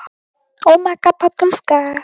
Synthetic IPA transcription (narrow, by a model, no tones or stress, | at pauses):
omakapat̪əska